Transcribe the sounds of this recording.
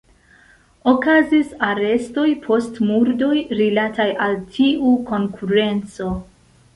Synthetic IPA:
o̞kazisaɾe̞sto̞jpʰo̞stmuɾdo̞jɾilatajʔaltʰiuko̞ŋkʰuɾe̞nt͡so̞

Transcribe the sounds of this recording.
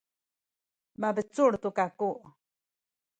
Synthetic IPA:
mabet͡suɽt̪ukakuʔ

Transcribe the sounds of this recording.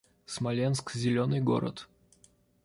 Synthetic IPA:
smɐlʲenskzʲɪlʲonɨjɡo̰ɾə̰t̪

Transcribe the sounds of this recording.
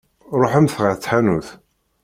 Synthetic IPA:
ɾˤoħəmθʁət͡sːħanuθ

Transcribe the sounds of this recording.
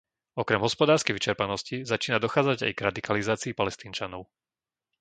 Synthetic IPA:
ɔkɾɛmɦɔspɔd̪aːɾskɛjʋit͡ʃɛɾpanɔscizat͡ʃiːnad̪ɔxaːd͡zaɟa̰jɡɾad̪ikalizaːt͡siːpalɛst̪iːnt͡ʃanɔʊ

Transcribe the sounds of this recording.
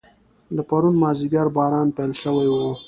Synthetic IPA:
lapaɾunmɑziɡaɾbɑːɾɑnpelʃəwajwo

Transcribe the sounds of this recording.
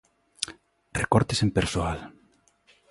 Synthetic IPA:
rekɔɾt̪esempeɾsoal

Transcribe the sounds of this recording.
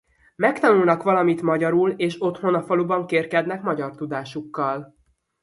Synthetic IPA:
mɛkt̪ɒnulnɒkʋɒlɒmit̪mɒɟɒɾuleːʃo̞t̪ho̞nɒfɒlubɒŋkeːrkɛd̪nɛkmɒɟɒrt̪ud̪aːʃukːɒl

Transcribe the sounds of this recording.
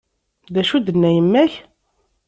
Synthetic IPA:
ðæʃud̪ənːæjəmːæç

